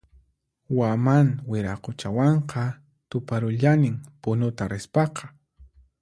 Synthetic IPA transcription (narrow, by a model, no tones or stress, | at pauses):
wamanwɪɾaqot͡ʃawɑɴqʰɑ | t̪ʊpaɾʊʎanɪŋpʊnʊt̪aɾɪspɑqɑ̥